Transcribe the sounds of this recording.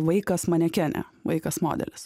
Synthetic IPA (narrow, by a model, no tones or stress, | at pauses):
ʋɐɪkɐsmɐnʲɛkʲæːnʲɛ̰ʋɐ̰ɪkɐsmo̰ːd̪ʲɛ̰lʲɪs